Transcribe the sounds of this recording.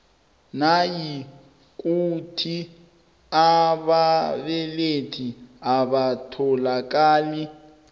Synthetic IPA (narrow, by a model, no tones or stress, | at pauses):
naji | kʼutʰi | aβaβɛletʰiaβatʰɔlakʼaːlɪ